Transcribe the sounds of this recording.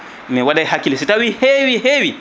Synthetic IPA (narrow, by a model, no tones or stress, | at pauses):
mɛwadajhakilisitawihewiɦewi